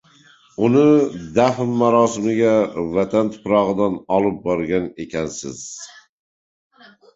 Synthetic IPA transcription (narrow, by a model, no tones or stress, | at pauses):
ʊnɪd̪afmːaɾɒsɪmɪɡʲavat̪ʰant̪ʰʊ̥pɾɒʁɨd̪anɒlˠɪp̚bɒɾɡʲane̞kʲʰansɪz̥